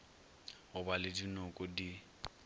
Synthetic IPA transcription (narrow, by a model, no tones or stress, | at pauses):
ɦʊbalɪdinʊkʼɔdi